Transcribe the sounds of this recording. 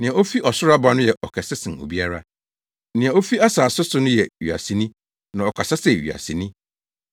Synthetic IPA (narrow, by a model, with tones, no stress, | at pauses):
nɪ̃˨ã˨o˦fi˦ʔɔ˨sʊ˦ɾa˦ba˦nʊ̃˦jɛ˨ʔɔ˨kʰɛ˨sɪ˦sɪ̃˨no̰˨bi˦a˦ɾa˦ | nɪ̃˨ã˨o˦fi˦a˦saː˨sʊ˦sʊ˦nʊ̃˦jɛ˨ɥḭ˨a̰˨si˨nĩ˦ | nã˨ɔ˨kʰa˨sa˦sɛ˨ɥḭ˨a̰˨si˨nĩ˦